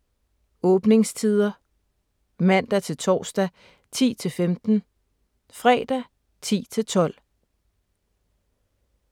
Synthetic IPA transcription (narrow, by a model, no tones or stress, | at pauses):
ɔ̽ːb̥ne̝ŋst͡sʰið̞ˠɐ | mæn̰d̥æt͡sʰe̝lt͡sʰɒ̰ːsd̥æ | t͡sʰḭːt͡sʰe̝lfemd̥n̩ | fʁɛːd̥æ | t͡sʰḭːt͡sʰe̝lt͡sʰɒ̽l̰